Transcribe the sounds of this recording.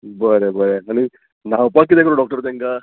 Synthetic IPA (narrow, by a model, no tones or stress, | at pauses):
bəɾebəɾeañi | nawpakːit̪ekɾɔɖɔk̚ʈəɾt̪̬ãŋka